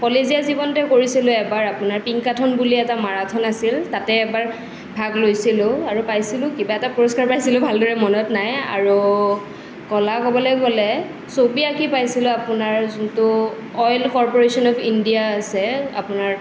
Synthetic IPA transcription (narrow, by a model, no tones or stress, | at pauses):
kɔlezijazibɔntɛkoɹisilʊ̃ɛbaɹapʊnaɹpiŋkatʰɔnbuliɛtamaɹatʰɔnasiltatɛɛk̚baɹ | bʱaɡlojsilʊaɹupajsilʊ̃kibaɛtapuɹɔskaɹpɹajsilʊbʱaldɔɹɛmɔnɔtnaja̰ɹu | kɔlakɔbɔlɔjɡɔlɛ | sobiakipajsilʊ̃apʊnaɹzʊntʊ | ɔjlkɔɹpɔɹesɔnɔpʰindijaːsɛa̰pʊnaɹ